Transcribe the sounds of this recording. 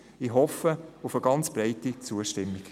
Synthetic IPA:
iɦɔfəʊfəɡ̥ɑnt͡sb̥raɪtit͡suəʃtɪmːiɡ̥

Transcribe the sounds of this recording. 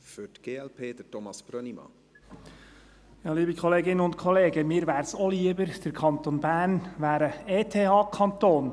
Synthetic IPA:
fyɾtɡ̥eːɛlpʰeːd̥̪ətɔmɑsb̥ɾœnimɑ̰ | jɑːliːbəkʰɔleːɡɪnənʊntkʰɔleːɡəmɪːɾʋæːɾsoliːəbəɾd̥əɾkʰɑnt̪onbæːɾnʋæːɾəeːt̪ʰeːɑːkʰɑnt̪oːn

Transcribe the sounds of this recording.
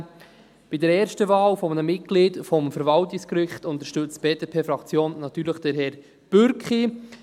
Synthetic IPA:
b̥idəɾɛːɾʃtəvɑːlfɔmənəmɪt̚ɡ̥liːdfɔmfəɾvɑltɪskɾɪχtʊnt̪əʃtøt͡st̚b̥eːdeːpʰeːfɾɑkt͡sjoːnːɑt̪yːɾləχd̥ɛɾɦɛːɾ | b̥ʏɾkχi

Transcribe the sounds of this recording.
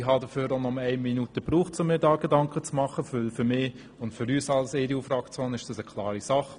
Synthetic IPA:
ɪɦɑdəføːɾonɔməæɪmminutəpɾuːχtt͡sʊmːɪːɾdɑːɡ̥edɑŋkχət͡smɑχəfølfʏɾmɪː | ʊntfʏɾyːsɑlseːɾiufrɑkt͡soːnɪʃd̥ɑsəkʰlɑːɾisɑχ

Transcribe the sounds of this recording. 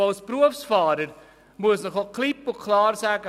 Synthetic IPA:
alspruəfsfɑːɾəɾ | muəsnəχoklipːʊkʰlɑːrsæːɡə

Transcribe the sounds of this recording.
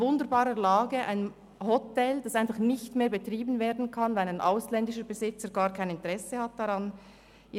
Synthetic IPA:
ʊndəɾbaːɾəlaːɡəʔa̰ɪn | hɔtɛld̥ɑsaɪnfɑχnɪçtmeːɐbetʁiːbn̩veːɐdn̩kʰɑnvanaɪnʔaʊslɛndɪʃəbɛzɪt͡səɾɡaːʁkʰaɪnɪntəʁɛsəhat̚d̥aʁɑn

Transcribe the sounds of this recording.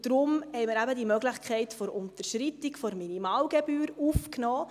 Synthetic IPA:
d̥ɾʊmhɛɪmɪɾæbədimœɡlɪxkʰɛɪtfɔɾʊntəɾʃɾitikfɔɾminimɑːlɡebyːɾufknɔː

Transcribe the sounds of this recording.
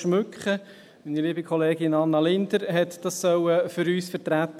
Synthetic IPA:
ʃmʉkχə | miːniliːbikʰχɔleːɡɪnɑnːɑlɪnd̪əɾɦɛt̪d̥ɑsːœwəfʏɾyːsfəɾtɾæt

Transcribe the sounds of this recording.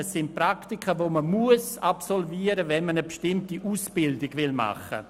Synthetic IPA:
ɛsːɪntpraktikʰəʋoməmuəsapsɔlviːəɾəvɛnmənəbʃtɪmtiʔuːsb̥ɪldɪɡʋɪlma̰χə̰

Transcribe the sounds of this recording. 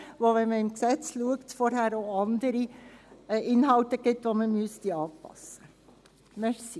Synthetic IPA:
ʋoʋɛnməɪmksɛt͡sluəktfɔɾɦæːɾoɑnd̪əɾi | ʔɪnɦɑltəɡ̥ɪt̪ʋoməmyəstiɑːpɑ̰sːə | mɛɾsi

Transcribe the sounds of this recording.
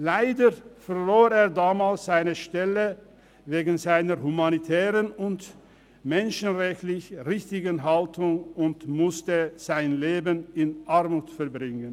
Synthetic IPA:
laɪdəfɛɐloːeːɐdaːmaːlsz̥aɪnəʃtɛlə | veːɡn̩zaɪnəʁɦumanitʰɛːʁənʊnt | mɛnʃənʁɛçtlɪçʁɪçtɪɡənɦaltʊŋʊntmʊstəz̥aɪnleːbənɪnʔaɐmuːtfɛɐbʁɪŋən

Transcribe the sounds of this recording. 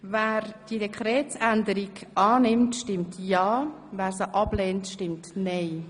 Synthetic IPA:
væːɾd̥iədɛkʰχɾɛːtsænd̪əɾiɡʔɑːnɪmtʃtɪmtjɑː | væːɾsəʔɑb̥leːntʃtɪmtnɛɪ

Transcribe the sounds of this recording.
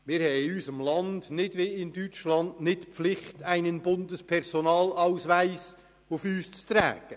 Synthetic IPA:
mɪːɾhɛjyːsəmlɑnd̥nɪd̥ʋeɪndyt͡ʃlɑndnɪtpflɪχtæɪnənbʊndəspʰɛrzonɑːlaʊsvæɪs | ufyːst͡st̪ɾɛ̰ːɡ̥ə

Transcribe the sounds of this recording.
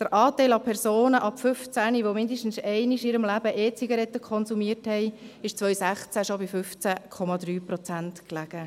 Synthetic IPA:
d̪̥əɾʔɑːtɛɪlɑpʰɛrsoːnəʔɑpfʏft͡sæniʋomɪndəʃtn̩sɛɪniʃiːɾəmlæb̥əʔeːt͡siɡɑɾɛt̪ːəkʰɔnzumiəthɛɪɪʃt͡sʋœʏsæχt͡sæʃobifʏft͡sækʰɔmɑd̪ɾyːpɾɔt͡sæntklæɡ̥ə

